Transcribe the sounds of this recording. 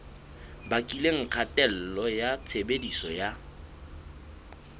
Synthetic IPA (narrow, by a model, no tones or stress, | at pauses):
bakʼileŋ̩q͡χʰatʼɛl̩lɔjat͡sʰebedisɔja